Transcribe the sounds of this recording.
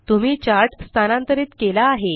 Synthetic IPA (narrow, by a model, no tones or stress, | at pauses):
t̪um̤iːt͡ɕaɾʈst̪ʰanãnt̪əɾiːt͡skelaːɦe